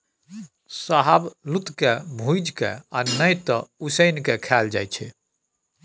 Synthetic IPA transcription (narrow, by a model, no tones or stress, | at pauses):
saɦablut̪kebʱujd͡ʒkḛa̰nəjt̪ɔusəjnkekʰɛld͡ʒa̰jt͡ʃʰɛ̰